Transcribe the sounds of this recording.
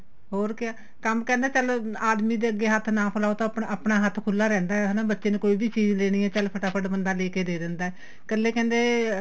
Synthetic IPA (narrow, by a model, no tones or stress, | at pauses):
ɦoːɾkɪaː | kəmkɛ̃ːnd̪eːt͡ʃəlaːd̪miːd̪eːəɡːeːɦət̪ʰnãːpʰəlaːoːt̪ãpəpɳaːɦət̪ʰkʰʊlːaːɾɛ̃ːnd̪aːɛɦnãːbətːʃeːnẽːkoːiːbiːt͡ʃiːd͡ʒleːɽ̃iːɛːt͡ʃəlpʰəʈaːpʰəʈbənd̪aːleːkeːd̪eːɾɛ̃ːnd̪aːɛː | kəlːeːkɛ̃ːnd̪eː